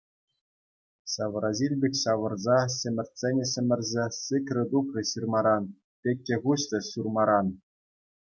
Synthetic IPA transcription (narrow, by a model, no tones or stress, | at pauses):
sɑʋɾɑzilʲbʲekʲɕɑʋɤ̆rzɑɕɘ̆mʲɘ̆rʲtʲsʲenʲɘ̆ɕɘ̆mʲɘ̆rʲzʲesɨkrʲɘ̆d̪ukrɤ̆ɕirmɑɾɑn | pʲek̚ʲːĕɣuɕt̪ʲɘ̆ɕurmɑɾɑn